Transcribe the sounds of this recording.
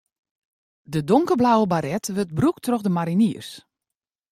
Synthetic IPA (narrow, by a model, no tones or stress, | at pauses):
dədoŋkəblawəbaɾɛtʋøt̚bruktʰroxdəmaɾiniərs